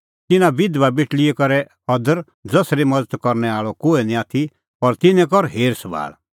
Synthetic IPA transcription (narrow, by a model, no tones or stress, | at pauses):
t̪ɪnãbɪd̪ʋabeʈɭiɛkɔɾɛ | ɔd̪əɾ | d͡zɐsɾemɐd͡zət̪kɔɾnɛaːɭɔkoːenĩaːt̪ʰi | pɐɾt̪ɪnɛ̃kɔɾɦeːɾsəba̰ːɭ